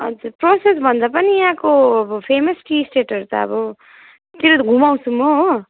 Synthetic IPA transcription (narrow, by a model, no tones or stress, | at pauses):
ʌd͡zuɾproses̬bʱʌnd̪apʌniɦãkoʌbʌpʰemʌsʈisʈeʈʌɾut̪ʌ̰ʌ̰bʌ | t̪iɾoɡʱumaw̃t͡sʰumo